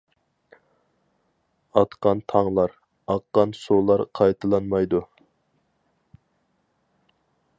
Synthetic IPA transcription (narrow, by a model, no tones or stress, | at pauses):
ɑt̪qɑnt̪ʰɑŋlˠɑɾ | ɑqːɑnsulˠɑɾqʰɑjt̪ʰɨlˠɑnmɑjd̪u